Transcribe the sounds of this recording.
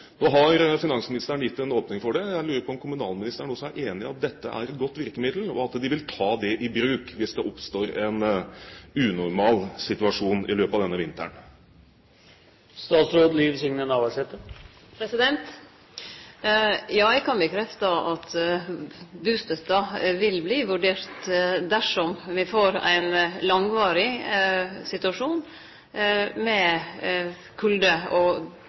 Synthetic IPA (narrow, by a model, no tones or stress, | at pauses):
noːɦɑɾəfɪnɑŋsmɪnɪst̪əəɳjɪt̪ːɛnoːpnɪŋfɔɖɛjæɪlʉːɾəɾpʰɔɔmkʰʊmʉnɑːlmɪnɪst̪əɳɔsɔæɾʔeːnɪɑt̪̚d̪ɛt̪ːəʔæ̰ɾɛt̪ɡɔt̪ːʋɪɾkəmɪd̪l̩ɔ̰ɑt̪d̪ɪʋɪlt̪ʰɑːd̪ɛʔɪbɾʉːkʋɪsd̪ɛʔɔpst̪oːɾɛn | ʉnʊɾmɑːlsɪt̪ʉɑʂuːnɪ̰løːpɑʋd̪ɛnːəʋɪnt̪ə̰ɳ | st̪ɑːt̪sɾoːd̪liːʋsʏŋnənɑːʋəʂɛt̪ːə | pʰɾɛsɪd̪ɛnt̪ | jɑːækʰɑnbəkʰɾɛft̪ɑɑt̪ | bʉːst̪œt̪ːɑʋɪlbliːʋʉɖeːɾt̪d̪æʂɔmʋɪfoːɾæ̰ɪnlɑŋʋɑːɾɪ | sɪt̪ʉɑʂuːn | mɛ | kʰʉld̪əɔ